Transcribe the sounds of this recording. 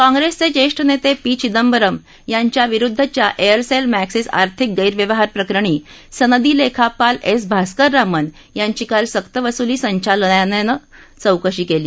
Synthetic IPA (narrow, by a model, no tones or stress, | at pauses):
kãŋɡɾest͡sed͡ʑeʂʈʰənet̪epit͡ɕid̪əmbəɾəm | jaɲt͡ɕjaʋiɾud̪ʱːət͡ɕjaʔejəɾselmæksesa̰ɾt̪ʰik̚ɡəjɾʋjəʋəɦaɾpɾəkɾəɽ̃iː | sənəd̪iːlekʰapalesbʱaskəɾːamən | jaɲt͡ɕiːkalsəkt̪əʋəsuliːsəɲt͡ɕalnjanenət͡səwkəɕiːkeliː